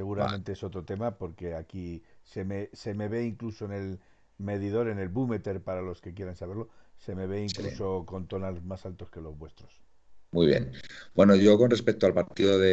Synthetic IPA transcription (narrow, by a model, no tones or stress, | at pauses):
se̞ɣuɾamẽnt̪e̞eso̞t̪ɾot̪e̞mapo̞ɾke̞akise̞mese̞me̞βe̞iŋklusoene̞l | me̞ð̞iðo̞ɾe̞ne̞lβume̞t̪e̞ɾpaɾalo̞ske̞kje̞ɾansaβe̞ɾlose̞me̞β̞eiŋkluso̞ko̞nt̪o̞nalzmasalt̪o̞ske̞lo̞zβwe̞st̪ɾo̞s | mwujβjḛnbwe̞noʝo̞ko̞nrespek̚t̪oalpaɾt̪iðoðe